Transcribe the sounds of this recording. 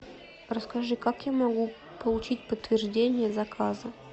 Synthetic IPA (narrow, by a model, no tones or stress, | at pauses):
rəskaʐɨkakjamɐɡu | pəlˠut͡ɕit̚ʲpət̪ːvʲɪrʐdʲenʲɪjəzɐkʰazə